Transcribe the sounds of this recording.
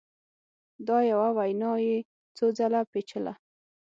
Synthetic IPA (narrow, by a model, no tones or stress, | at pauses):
d̪ɑjawawajnɑje | t͡sod͡zalapet͡ʃəla̰